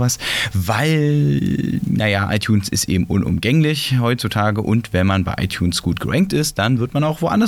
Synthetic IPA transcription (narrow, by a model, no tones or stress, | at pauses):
vasvaɪl | najaʔa̰ɪtʰjuːnsɪstʔḛːbm̩ʔʊnʔʊ̰mɡɛŋlɪçɦɔʏtt͡sutʰaːɡəʔʊntv̥ɛnmanbaɪʔa̰ɪtʰjuːnsɡ̥uːt̚ɡ̥əʁɛŋk̚tɪst̚d̥anvɪɐtmanaʊxvoʔa̰ndɐ